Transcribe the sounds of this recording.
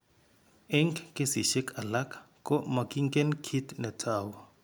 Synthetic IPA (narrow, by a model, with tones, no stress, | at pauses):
ɛ˦ŋkkʼe˦si˨ʃɛ˦kʰa˨la˦kʰʼ | kʼɔ˦ma˨kiŋkɛ˦nkʰi˦tnɛ˨tʰʼaːwɔ